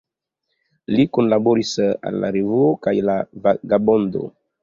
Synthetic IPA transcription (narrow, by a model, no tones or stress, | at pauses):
likonlaboɾisa̰lːa̰ɾevuokajlavaɡabo̞ndo̰